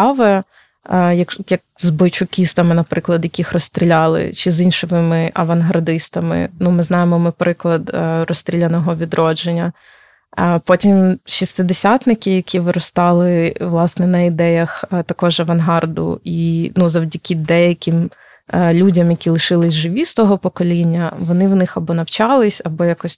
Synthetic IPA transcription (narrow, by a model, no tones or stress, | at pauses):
ɑʋɛ | jɐkjɐk̚zbɔjt͡ʃʊkʲist̪ɐmɪnɐpɾɪklˠɐd̪jɐkʲixrɔst̪ʲɾʲilʲɑlˠɪ̰t͡ʃɪzinʲʃɔmɪmɪʔɐʋɐnɦɐrd̪ɪst̪ɐmɪ̰numɪznɑjemɔmɪpɾɪklˠɐd̪rɔsʲt̪ʲɾʲilʲɐnɔɦɔʋʲid̪ɾʔɔd͡ʒenʲːɐ | pɔtʲimʃist̪ɪd̪esʲat̪nɪkʲɪjɐkʲʰiʋɪɾɔst̪ɑlˠɪʋlˠɑsnɛnɐid̪ɛjɐxt̪ɐkɔʒɐʋɐnɦɑrd̪ʊ̰inuzɐwdʲɐkʲid̪ɛjɐkʲɪm | lʲudʲɐmjɐkʲilˠɪʃɪlˠɪsʲʒɪʋʲist̪ɔɦɔpɔkɔlʲinʲːɐʋɔnɪʋnɪxɐbɔnɐwt͡ʃɑlˠɪsʲɐbɔjakɔsʲ